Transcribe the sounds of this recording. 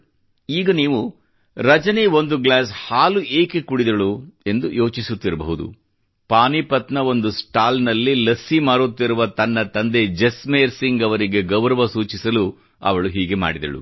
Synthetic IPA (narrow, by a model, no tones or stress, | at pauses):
iːɡɐniːʋu | ɾɐd͡ʒɐneʋo̞nd̪uɡlaːshaːluʔeːkekuɽid̪ɐɭue̞nd̪ujo̞ːt͡ʃisut̪ːiɾɐbɐ̰ɦud̪ṵ | paːnipɐt̪nɐo̞nd̪usʈaːlnɐlːilɐsːimaːɾut̪ːiɾuʋɐt̪ɐnːɐt̪ɐnd̪e̞d͡ʒesmeːɾsiŋɡɐʋɐɾiɡe̞ɡɐʋɾɐʋɐsuːt͡ʃisɐlu | ɐ̰ʋɐɭuɦiːɡe̞ma̰ːɽid̪ɐ̰ɭṵ